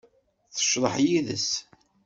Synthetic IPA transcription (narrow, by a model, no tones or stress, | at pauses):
θə̥ʃɾˤəħjiðə̰s